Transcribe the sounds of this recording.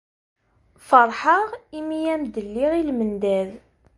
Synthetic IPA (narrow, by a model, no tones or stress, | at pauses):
fəɾˤħəʁimijæmd̪əlːiʁilmənd̪æð